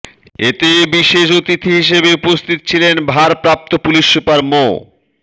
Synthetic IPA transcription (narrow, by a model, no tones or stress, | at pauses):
et̪ebiʃeʃot̪it̪ʰiɦiʃ̬ebeupost̪ʰit̪o̥t͡ɕʰilenbʱaɾpɾap̚t̪opuliʃːupaɾmo̰